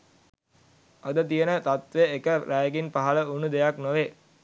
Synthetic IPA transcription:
ad̪ət̪ijənət̪at̪ʋeekəɾæːɡinpaɦələunud̪ejaknoʋe

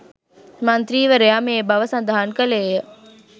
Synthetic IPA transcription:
mɐnt̪ɾiːʋəɾejaːmebɐʋəsãnd̪ʱaɦankəlejə

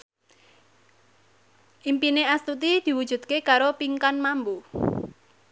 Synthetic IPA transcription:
ʔimpineast̪ut̪id̪̥i̤wud̥ʒ̥ṳd̪̚kekaɾopiŋkanmambu

